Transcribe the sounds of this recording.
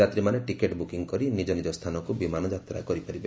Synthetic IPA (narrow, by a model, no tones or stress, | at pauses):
at̪ɾimaneʈikeʈbukiŋkɔɾinid͡ʒɔnid͡ʒɔst̪ʰanɔkubimanɔd͡ʒat̪ɾa̰kɔɾipaɾibe